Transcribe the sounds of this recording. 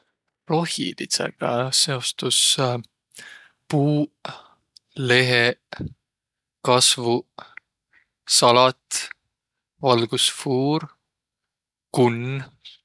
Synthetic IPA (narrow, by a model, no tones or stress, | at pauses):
ro̞hḭlit̪sḛɡ̥ɑse̞o̞st̪us | puː | le̞ɦe | kɑsvu | sɑlɑt̪ | vɑlɡ̥usfuːɾ | kun